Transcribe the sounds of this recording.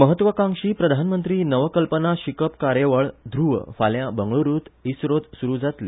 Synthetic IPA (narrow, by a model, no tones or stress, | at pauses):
məɦət̪ːʋəkãŋʂiːpɾəd̪ʱanmənt̪ɾiːnəʋəkəlpənaɕikəpkaɾjeʋəɭd̪ʱɾuʋə̰faljãbəŋɡɭuɾuːt̪isɾot̪suɾuːd͡zat̪lḭ